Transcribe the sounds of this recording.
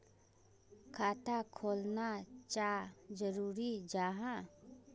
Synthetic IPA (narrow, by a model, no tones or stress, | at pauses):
kʰaːt̪akʰoːlnat͡ʃaːd͡ʒəɾuːɾid͡ʒaːɦã